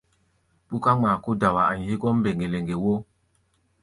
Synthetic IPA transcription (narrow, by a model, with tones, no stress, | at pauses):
pu˦ka˦ŋ͡maː˨ko˦da˨wa˨a˨ɲ˨hi˦kɔ˦m̩˦be˨ŋɡe˨le˨ŋɡe˨wo˦